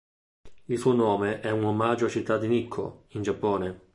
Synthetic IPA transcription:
ilsuonɔːmeʔɛunomad͡ʒoat͡ʃit̪ːad̪ːinikʰːo̰ind͡ʒapːɔːne

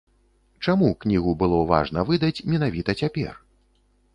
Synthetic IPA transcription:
t͡ʂamuknʲiɣubɨlˠɔva̰ʐnɐvɨd̪ɐt͡sʲmʲɛnavʲit̪ɐt͡sʲapʲɛ̰r

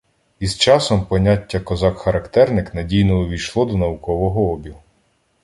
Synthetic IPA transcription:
izt͡ʃɑsɔmpɔnʲatʲːɐkɔzɑkxɐɾɐkt̪ɛrnɪknɐdʲijnɔʊʋʲijʃlˠɔd̪ɔnɐwʊkɔʋɔɦɔɔbʲi

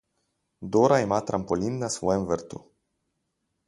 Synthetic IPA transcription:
d̪oɾaemat̪ɾʔampolinːaswɛnvəɾt̪ṵ

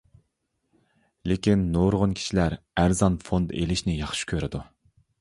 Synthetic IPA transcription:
lekʲinːoɾʁʊnkʲʰi̥ʃilæɾ | æɾzɑnfond̪elɪʃnɪjɑχʃi̥kʲʰøɾɪd̪u

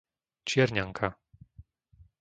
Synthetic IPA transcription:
t͡ʃɪɛɾɲaŋkʰa

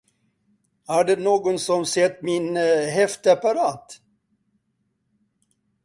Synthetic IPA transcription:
hæɖɛnoːɡʊnsɔmsɛt̪ːmɪnɦɛft̪əapaɾɑːt̪

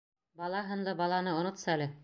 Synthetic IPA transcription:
bɑlˠɑɦɤ̆nlˠɤbɑlˠɑnɤŏnŏt̪sɑælɘ

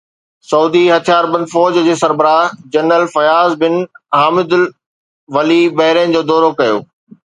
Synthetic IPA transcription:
sɐuːd̪iɦɐt̪ʰijaːɾbɐ̃nd̪fɔːd͡ʑd͡ʑeːsɐɾbəɾaːd͡ʑɐnɾəlfɐjaːzbɪnɦaːmɪd̪ʊl | ʋɐlibɐɦɪɾənɪ̆d͡ʑoːd̪ɔːɾokɐjo̰ː

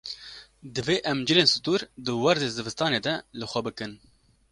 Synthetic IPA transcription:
d̪ɨveːʔɛmd͡ʒɨleːnsɨ̥t̪uɾd̪ɨwɛɾd̪eːzɨvɨst̪ɑːneːd̪ɛlɨxʷɛbɨkɨn

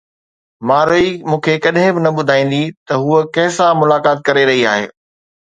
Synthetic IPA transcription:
maːɾoimũːkʰekɐɗɦɪ̃bɪnɐɓʊd̪ʱaːĩːn̆d̪it̪ɐɦuəkɐ̃ɦɪsãmʊlaːkaːt̪̚kɐɾeɾɐɦiaːɦḛː

